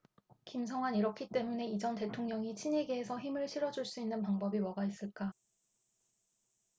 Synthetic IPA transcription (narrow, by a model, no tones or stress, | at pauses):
kims̬ʰʌŋwaniɾʌkʰit͈e̞mune̞id͡ʑʌnte̞tʰoŋɲʌŋit͡ɕʰiɲe̞ɡeːsʰʌçimɯɭɕʰiɾʌd͡ʑuɭs͈uinːɯnpaŋbʌbiwʌɡais͈ɯɭk͈a